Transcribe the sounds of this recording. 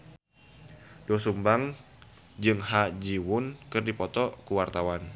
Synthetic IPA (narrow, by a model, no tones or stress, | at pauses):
dɔsumbaŋ | d͡ʒɨŋɦad͡ʒiwʊnkɨrdipɔt̪ɔkuwart̪awan